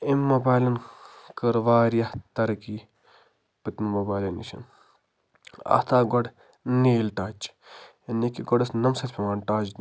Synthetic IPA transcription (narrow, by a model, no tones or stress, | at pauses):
imːobaːjlɐnkɐɾʋaːɾijɐt̪ɐɾkiː | pɨt̪mɐmobaːlɐnḭʃɐ̰n | ɐ̰t̪ʰaːɡɔɖ | niːlʈaːt͡ʃ | ɐnikiɡɔɖɐsnɐmsɐt̪ʰʲpʰʲemaːnʈaːt͡ʃ